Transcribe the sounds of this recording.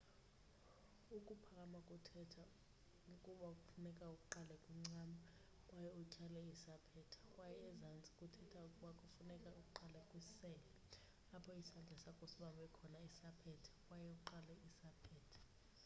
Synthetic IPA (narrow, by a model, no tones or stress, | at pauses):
ukʼupʰakʼamakʼutʰɛtʰa | ukʼuɓakʼufunɛkʼaukʼuǃalɛkʼwim̩ŋ͡ǀama | kʼwajɛɔt͡ʃʰʼalɛisapʰɛtʰḁkʼwajɛːzant͡sʼi̥kʼutʰɛtʰaukʼuɓakʼufunɛkʼaukʼuǃalɛkʼwisɛːlɛ | apʰɔisand͡ɮʱɛsakʼosiɓaɓɛkʰɔnaisapʰɛtʰḁkʼwajɛuǃalɛisapʰɛːtʰḁ